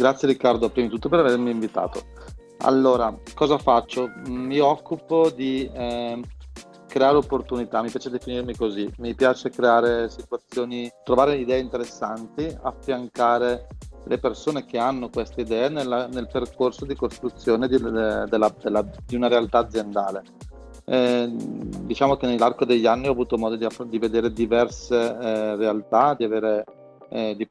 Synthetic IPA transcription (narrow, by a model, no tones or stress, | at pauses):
ɡɾat̪sːjeɾikːard̪oapːɾimit̪ut̪ːopeɾavermiːɱvit̪a̰ːt̪o | a̰lːoːɾakɔːzafat͡ʃːomiɔkːupod̪i | kɾeaːɾeopːort̪unit̪amipjaːt͡ʃed̪efinirmikozimipjaːt͡ʃekɾeaːɾesit̪uat̪sːjoːnit̪ɾovaːɾeid̪ɛːeint̪eɾesːant̪iafːjaŋkaːɾelʔepersoːnek̟eanːokwest̪eid̪ɛːanelːanelperkorsod̪ikost̪ɾut̪sːjoːned̪id̪elːad̪elːad̪iunaɾealt̪aːd̪zːjend̪aːle | d̪it͡ʃaːmokenelːarkod̪eʎːanːiɔavuːt̪omɔːd̪od̪iafd̪ived̪eːɾed̪ivɛrserealt̪ad̪iaveːɾe | d̪i